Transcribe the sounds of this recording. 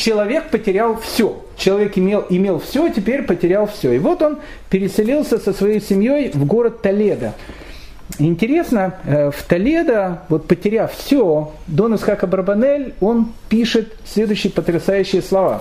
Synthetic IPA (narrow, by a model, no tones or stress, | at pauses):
t͡ɕɪlˠɐvʲe̞k̚pətʲɪɾʲalˠfsʲo | t͡ɕɪlˠɐvʲekɪmʲelˠɪmʲe̞lˠfsʲotʲɪpʲeɾʲpətʲɪɾʲalˠfsʲoɪvo̞t̪o̞n | pʲɪɾʲɪsʲɪlʲilˠsʲəsəsvɐjejsʲɪmʲjo̞jvɡo̞ɾət̪t̪ːɐlʲe̞d̪ə | ɪnʲtʲɪɾʲe̞snəft̪ɐlʲed̪əvo̞t̪̚pətʲɪɾʲafsʲo | d̪o̞nɨsxakəbəɾbɐnɛlʲo̞npʲiʂɨt̪sʲlʲe̞d̪ʊʏɕːɪjəpət̪ɾʲɪsajʉɕːɪjəslˠɐva̰